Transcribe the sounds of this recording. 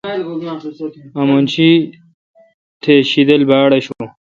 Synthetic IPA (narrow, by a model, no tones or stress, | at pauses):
ɐmont͡ɕi | tʰeːɕid̪ɐlbaːɽɐɕo